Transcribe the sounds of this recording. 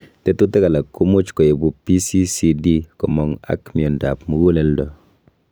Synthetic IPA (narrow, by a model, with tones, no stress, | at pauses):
te˦tu˦te˦ka˨la˨kːu˦mu˦t͡ʃkɔ˨je˨bu˨pi˦si˦si˦di˦kɔ˨mɔ˨ŋa̰˦kmi˨ɔ˨nda˨pmu˨ɡu˦le˨˦ldɔ˨